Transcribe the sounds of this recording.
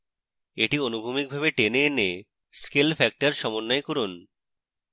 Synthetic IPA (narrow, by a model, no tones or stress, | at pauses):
eʈionubʱumik̚bʱaβeʈenene | skelfɛk̚ʈaɾʃɔmonːaekoɾun